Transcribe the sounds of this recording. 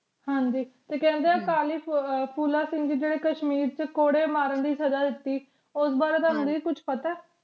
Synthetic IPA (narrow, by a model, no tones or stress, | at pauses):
hãːɲd͡ʒiːt̪eːkɛ̃ːnd̪eaːkaːliːppʰuːlaːsɪ̃ŋɡd͡ʒiːd͡ʒeːɽeːkəʃmiːɾt͡ʃkoːɽeːmaːɾənd̪iːsəd͡ʒaːd̪ɪt̪ːiː | ʊsbaːɾeːt̪aɦʊ̃nd̪eːiːkʊt͡ʃʰpət̪aː